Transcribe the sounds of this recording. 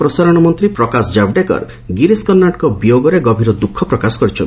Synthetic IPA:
pɾɔsaɾɔɽ̃ɔmɔnt̪ɾipɾɔkasd͡ʒabɖekɔ̰ɾ | ɡiɾiskɔnːaʈkɔbijoɡɔɾeɡɔbʱiɾɔd̪ukʰːɔpɾɔkasɔ̥kɔɾit͡ʃʰɔn

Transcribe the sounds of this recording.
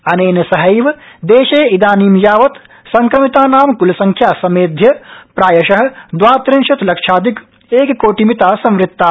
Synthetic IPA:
ɐneːnɐsɐɦɐjʋd̪eːʃeːid̪aːniːmjaːʋɐt̪ | sɐŋkɾɐmit̪aːnaːmkulɐsɐ̃ŋkʰjaːsɐmeːd̪ʱjɐpɾaːjɐʃɐɦɐ̆d̪ʋaːt̪ɾinʃɐt̪lɐkʂaːd̪ik | eːkkoːʈimit̪aːsɐ̃mɾɪt̪ːaː

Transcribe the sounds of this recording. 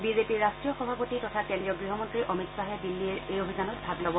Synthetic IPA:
bizepiɹɹastɹijɔxɔbʱapotitɔtʰakendɹijɔɡɹiɦɔmɔntɹiʔomitsaɦɛdilːiɛɹejobʱizanɔt̚bʱablɔbɔ

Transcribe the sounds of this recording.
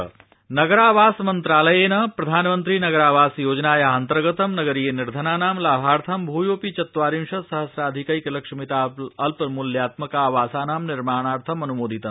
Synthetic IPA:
nɐɡɐɾaːʋaːsmɐnt̪ɾaːlɐjeːnɐpɾɐd̪ʱaːnmɐnt̪ɾiːnɐɡɐɾaːʋaːsjoːd͡ʒnaːjɐɦɐnt̪ɾɐɡɐt̪ɐmnɐɡɐɾijeniɾd̪ʱɐnaːnaːmlaːbʱaːɾt̪ʰɐmbʱuːjoːpit͡ʃɐt̪ʋaːɾimʃɐsɐɦɐsɾaːd̪ʱikɐikɐlɐkʂɐmit̪aːɐlpmuljaːt̪mɐkaːʋaːsaːnaːmniɾmaːɳ̃aːɾt̪ʰɐmɐnumoːd̪ʱit̪ɐm

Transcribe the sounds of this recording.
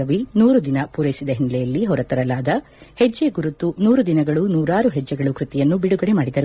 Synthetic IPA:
ɐʋinuːɾud̪inɐpuɾɐjisid̪ɐɦinilɛjɐlːiɦɔɾɐt̪ɐɾɐlaːd̪ɐ | hed͡ʒːe̞ɡuɾut̪ːunuːɾud̪inɐɡɐɭunuːɾaːɾuɦɛd͡ʒːɛɡɐɭukɾut̪ɛjɐnːubiɽuɡɐɽemaːɽid̪ɐɾu

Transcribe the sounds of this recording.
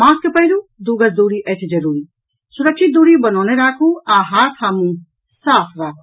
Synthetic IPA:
mãːkepɐjɾud̪uːɡɐsd̪uːɾiʔɛt̪ʰid͡ʒɐɾuːɾi | sʊɾɐkʃit̪̚d̪uːɾibɐnɔːneɾaːkʰuaːɦaːɾk̪ʰaːmũ | saːpʰɾaːkʰu

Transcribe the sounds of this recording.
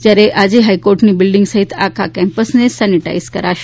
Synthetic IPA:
d͡ʑjaɾeʔad͡ʑeɦajkoɾʈniːbilɖiŋɡsaɦit̪akʰakɛmpəsnesɛniʈa̰izkəɾaɕ

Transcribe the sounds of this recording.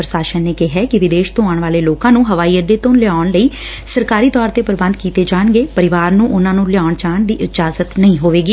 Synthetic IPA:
pɾəsaːʃənneːkɪɦɛːkɪʋɪd̪eːʃt̪õːaːɳʋaːleːloːkãːnũːɦəʋaːiːəɖeːt̪õlɪaːɳləiː | səɾkaːɾiːt̪ɔːɾt̪eːpəɾbə̃nd̪̚kiːt̪eːd͡ʒaːɳɡeːpəɾɪʋaːɾnũːʔʊnãːnũːlɪaːɳt͡ʃaːɳd̪iːʔɪd͡ʒaːzət̪nəĩːɦoːʋeːɡiː

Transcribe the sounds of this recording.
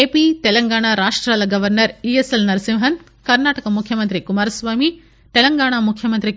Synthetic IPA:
eːpiːt̪ɛlɐŋɡaːɳaːɾaːʂʈɾaːlɐɡɐʋɐɾnɐɾieselnɐɾɐsimɦɐn | kɐɾnaːʈɐkɐmukʰjɐmɐnt̪ɾikumaːɾɐsʋaːmi | t̪ɛlɐŋɡaːɳaːmukʰjɐmɐnt̪ɾi

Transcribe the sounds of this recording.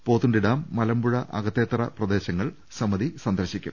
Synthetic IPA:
po̞ːt̪ːuɳɖiɽaːmːɐlɐmbuɻɐʔɐ̰ɡɐt̪ːe̞ːt̪rɐ̰prɐd̪e̞ːɕɐŋːɐɭ | sɐmːɐðisɐnd̪ɐrɕikʲːṵm

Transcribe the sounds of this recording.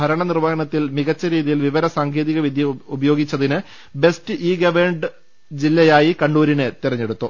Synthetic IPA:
bʱɐɾɐɳɐnirʋɐːɦɐɳɐt̪ːilmiɣɐt͡ɕːɐɾiːðijilʋiʋɐɾɐsaːŋkʰeːðiɣɐʋid̪ʱjɐubɐjo̞ːɡit͡ɕːɐðinɨ | be̞stɨʔiːɡɐʋeɳɖɨ | d͡ʑilːɐjaːjikɐɳɖuːɾinet̪irɐɲːe̞ɽut̪ːu

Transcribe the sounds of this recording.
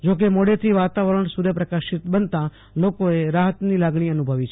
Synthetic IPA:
d͡ʒok̬emoɽet̪ʰiʋat̪aʋəɾəɳsuɾəpɾəkaʃit̪bənt̪ã | lokoeɾaɦət̪nilaɡɳ̃iənubʱəʋit͡ʃʰe

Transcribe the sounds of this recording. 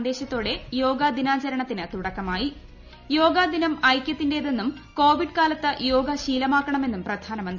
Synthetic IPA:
nd̪e̞ːɕɐt̪ːo̞ːɽe̞jo̞ːɡad̪inaːt͡ɕɐɾɐɳɐt̪ːinɨt̪uɽɐkːɐmaːji | jo̞ːɡaːd̪inɐmɐjkʲjɐt̪ːinde̞ːðenːumko̞ːʋiɖkaːlɐt̪ːɨjo̞ːɡɐɕiːlɐmaːkːɐɳɐme̞nːumprɐd̪ʱaːnɐmɐnd̪

